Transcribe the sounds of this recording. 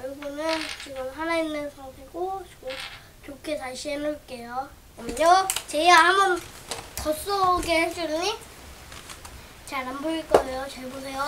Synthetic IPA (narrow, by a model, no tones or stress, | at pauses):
ɾɯbunɯnt͡ɕiɡɯmɦanainːɯnsʰʌŋsʰiɡot͡ɕiɡɯm | t͡ɕokʰe̞t͡ɕaɭɕ͈ʰienoɭk͈e̞jo | amɲot͡ɕeiɡahambʌntʌs͈oɡeheɭs͈uɾiɲi | t͡ɕaɭnamboiɭk͈ʌejot͡ɕaɭbosʰe̞jo